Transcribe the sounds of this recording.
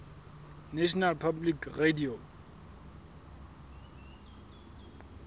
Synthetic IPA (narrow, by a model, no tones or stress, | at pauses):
neɕnalpʰablikredio